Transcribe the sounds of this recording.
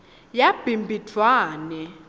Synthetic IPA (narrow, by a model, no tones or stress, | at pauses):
jab̥ʱimbʱitʰwaːnɛ